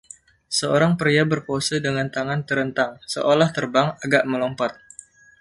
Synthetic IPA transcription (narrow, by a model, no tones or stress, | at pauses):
səoɾaŋpəɾiabərposədəŋant̪aŋant̪əɾənt̪aŋsəʔolaht̪ərbaŋaɡaʔməlɔmpɔt̪̚